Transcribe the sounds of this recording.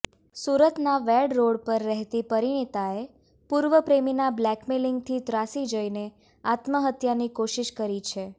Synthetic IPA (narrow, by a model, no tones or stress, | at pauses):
suɾət̪naʋɛɽɾoɽpəɾːɛɦt̪ipəɾiɽ̃it̪ae | puɾʋəpɾeminablɛkmeliŋɡt̪ʰit̪ɾasid͡ʒəine | at̪məɦət̪janikoʃiʃkəɾit͡ʃʰe